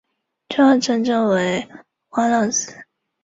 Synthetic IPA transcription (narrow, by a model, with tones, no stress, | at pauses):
ʈ͡ʂʰɤ˥˩ʈ͡ʂʰɤ˧˥ŋʈ͡ʂɤ˥ŋwe˧˥ɪ | xwa˥lɑ˥˩s̩˥